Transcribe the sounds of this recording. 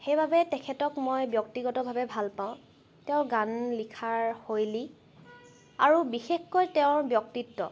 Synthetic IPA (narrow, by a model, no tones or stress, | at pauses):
xejbʱabɛtɛkʰɛtɔkmojbjɔk̚tiɡɔtɔbʱabɛbʱalpaʊ̃ | tɛʊ̃ɡanlikʰaɹhojli | a̰ɹubixexkojtɛʊ̃bjɔk̚titːɔ̰